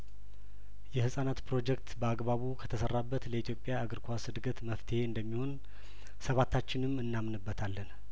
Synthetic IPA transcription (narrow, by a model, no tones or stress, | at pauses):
jɛhɨsʼanat̪pʰɾo̞d͡ʒɛkt̪bəaɡbaβukʰət̪ʰəsərːabːət̪ləit̪ʰjo̞pʼːjaːɡəɾkʷʰasɨd̪ɡət̪məft̪ʰəhe̞ɨnd̪əmːiho̞n | səβat̪ʰːat͡ʃːɪnɨmɨnːamnɨbːət̪ʰalːən